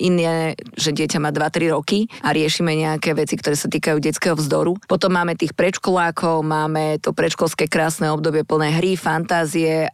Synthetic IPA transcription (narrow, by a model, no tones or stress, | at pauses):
inɛʒɛɟɪɛcamaːd̪ʋat̪ɾiɾɔkiʔaɾɪɛʃimɛɲɛakɛːʋɛt͡sikt̪ɔɾɛːsat̪iːkajuːɟɛt͡skɛɦɔvzd̪ɔɾupɔt̪ɔmːaːmɛt̪iːxpɾɛt͡ʃkɔlaːkʰɔʊmaːmɛt̪ɔpɾɛt͡ʃkɔlskɛːkɾaːsnɛːɔb̚d̪ɔbɪɛpl̩nɛːɦɾifant̪aːziɛ